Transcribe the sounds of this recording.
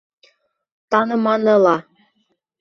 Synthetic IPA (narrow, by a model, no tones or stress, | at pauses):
t̪ɑnɤ̆mɑnɤlɑ